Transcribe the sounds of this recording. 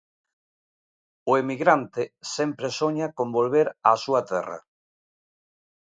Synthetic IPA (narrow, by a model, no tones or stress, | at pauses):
ʊemiɣɾant̪ɪsɛmpɾesoɲakõmbolβeɾasuɐt̪ɛ̰rɐ̰